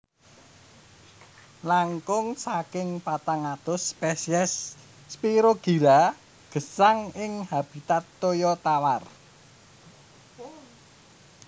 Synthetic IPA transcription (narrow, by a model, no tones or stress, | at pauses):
laŋkʊŋsakɪŋpat̪aŋat̪ʊspɛsiɛsː | piɾoɡ̥i̤ɾa | ɡ̥ə̤saŋɪŋhab̥i̤t̪at̪ːojɔt̪awar